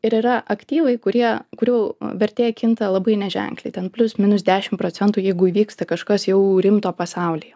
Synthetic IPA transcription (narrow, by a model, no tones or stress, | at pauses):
ɪɾɪɾɐʔɐkt̪ʲiːʋɐɪkʊɾʲiɛkʊɾʲɛʊʋʲɛɾʲt̪ʲeːjɛkʲɪnt̪ɐlˠɐbɐɪnʲɛʒʲɛ̰ŋklʲɛɪt̪ʲɛnpʲlʲʊsmʲɪnʊsd̪ʲæːʃʲɪmpɾoːt͡s̪ʲɛnt̪uːjɛɪɡʊiːʋʲiːkst̪ɐkɐʃkɐsjɛʊɾʲɪmt̪oːpɐsɑˑʊlʲiːɛ